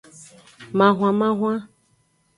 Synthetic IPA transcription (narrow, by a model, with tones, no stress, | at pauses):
mã˨ɦw̃ã˨mã˦ɦw̃ã˦